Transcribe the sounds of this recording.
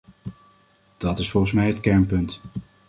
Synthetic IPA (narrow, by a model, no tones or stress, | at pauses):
d̥ɑtɪsfɔlˠχəsmɛjɦətkɛɹnpɵnt